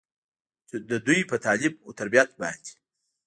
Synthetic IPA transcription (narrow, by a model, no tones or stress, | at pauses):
d̪ɐd̪ujpət̪ʰɑːlɪb̚ot̪aɾbijat̪̚bɑ̰nd̪i̥